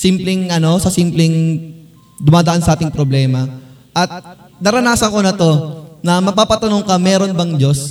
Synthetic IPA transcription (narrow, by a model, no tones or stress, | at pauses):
simplɛŋʔɐno̞sɐsiːmplɛŋ | d̪ʊmaːd̪ɐʔansɐʔaːt̪ɪŋpɾo̞blɛːmɐ | ʔɐt̪̚ | nɐɾɐnaːsɐŋko̞nɐt̪o̞nɐmɐpaːpɐt̪ɐno̞ŋkɐmɛːɾo̞nbɐŋd͡ʒo̞s